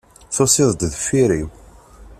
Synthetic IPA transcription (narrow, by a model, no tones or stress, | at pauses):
θosɪðˤd̪ðfiɾiw